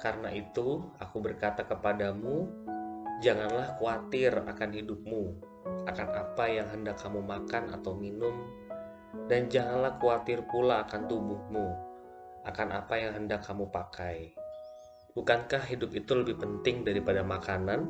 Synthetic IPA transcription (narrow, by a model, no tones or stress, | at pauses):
karənaʔit̪uakubərkat̪akəpadamu | d͡ʒaŋanlahkuat̪ɪra̰kanɦidʊp̚mu | akanapajaŋɦəndakːamumakana̰t̪awminʊm | dand͡ʒaŋanlahkuat̪ɪrpulaːkant̪ubʊhmu | ʔakanʔapajaŋɦəndakʰːamupakʰaj | bukankahɦidʊpit̪uləbɪhpənt̪ɪŋdaɾipadamakanan